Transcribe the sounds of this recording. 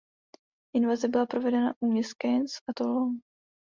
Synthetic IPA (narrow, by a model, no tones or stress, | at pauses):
ʔɪnvazɛbɪlapɾovɛdɛna̰ʔuːmɲɛskɛnsat̪olon